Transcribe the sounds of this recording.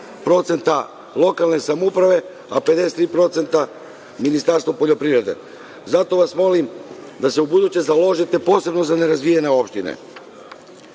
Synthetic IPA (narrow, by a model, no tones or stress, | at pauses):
pɾo̞t̪se̞nt̪a | lˠo̞kalˠne̞samoupɾaʋe̞ | ape̞d̪e̞se̥t̪ɾiːpɾo̞t̪se̞nt̪a | minist̪aɾst̪vopo̞ʎo̞pɾivɾe̞d̪e̞̰ | zat̪o̞ʋasmo̞lim | d̪ase̞ubud̪ut͡ɕezalo̞ʒit̪e̞po̞ːse̞bno̞zane̞ɾazʋijene̞o̞pʃt̪inḛ